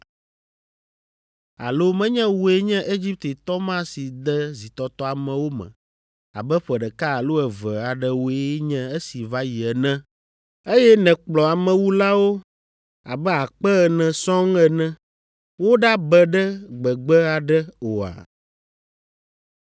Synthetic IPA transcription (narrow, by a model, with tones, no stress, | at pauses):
a̰˨lo˦mɛ̃˦ɲɛ̃˦wo˨e˦ɲɛ̃˦ʔe˦d͡ʒi˦p̚t̪e˨t̪ɔ˦mã˦si˨d̪ɛ˦zi˨t̪ɔ˨t̪ɔ˦a˨mɛ̃˨wo˦mɛ̰̃˨ | a̰˨bɛ˦ɸɛ˨ɖɛ˨ka˦a˨lo˦ɛ˨və˨a˨ɖɛ˦wo˨e˦ɲɛ̃˦e˦si˨va˦ji˨ɛ˨nɛ̃˦ | e˦jɛ˦nɛ̃˨k͡plɔ˨a˨mɛ̃˨wu˦la˦wo˦ | a̰˨bɛ˦a˨k͡pɛ˦ɛ˨nɛ̃˨sɔ̃˦ŋɛ˨nɛ̃˦ | wo˦ɖa˦bɛ˨ɖɛ˦ɡ͡bɛ˨ɡ͡bɛ˦a˨ɖɛ˦o˨a̰˨